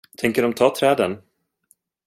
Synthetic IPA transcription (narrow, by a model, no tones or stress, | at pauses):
t̪ʰɛŋkəɖɔmt̪ʰɑːt̪ʰɾɛːd̪ən